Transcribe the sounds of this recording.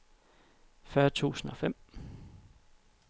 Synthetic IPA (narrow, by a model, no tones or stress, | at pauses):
fɶːɐt͡sʰṵːsn̩ɒ̽fem̰